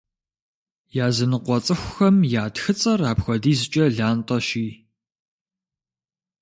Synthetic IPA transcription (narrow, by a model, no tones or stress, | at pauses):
jaːzɨnɨqʷɔt͡sʼɨxʷʊxɐmjaːtxɨt͡sʼɐraːpxʷɔdiːzɨt͡ʃʼɐɮaːntʼɐʃiː